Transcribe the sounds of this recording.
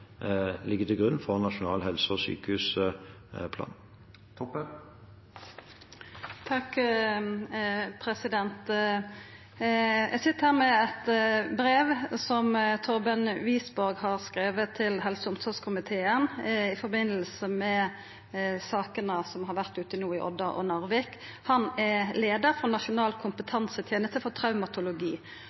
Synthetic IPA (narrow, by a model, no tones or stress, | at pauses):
lɪɡːət̪ɪɡʉnːfɔʁnɑʃʊnɑːlɦɛlsəɔsy̰ːkəhʉːs | pʰlɑ̰ːn | t̪ʰɑk | pʰɾɛsɪd̪ɛnt̪ | jʔæ̰ɡsɪt̪ːəhæːʁmɛɛt̪bɾeːʋsɔmt̪ʰɔɾbənʋiːsbɔɾɡhɑʁskɾeːʋət̪ʰːɪlɦɛlsəʊmsɔʁskʰʊmɪt̪ʰeːənɪfɔbɪnːəlsəmɛ | sɑːkənəsɔmhɑʁʋæʁt̪ʉːt̪əɪnuːɪʔɔ̰d̪ɑʔɔ̰nɑʁʋɪk | hɑnɛleːd̪əɾfɔnɑʂʊnɑːlkʰʊmpət̪ʰɑnsət̪ʰjeːnəst̪əfɔʁt̪ʰɾɑʉmɑt̪ʰʊlʊɡiː